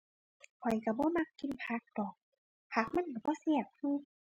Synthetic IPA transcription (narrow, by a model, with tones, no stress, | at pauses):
pʰɔ˨˩jka˧˩bɔː˧˦˨ma˧kːi˧˨npʰa˧˥k̚d̪ɔː˨˩k̚ | hʰaː˨˧˩k̚ma˧˥˨nka˧˩bɔː˧˥˨sɛ˧˩˨p̚huː˧˩˨k̚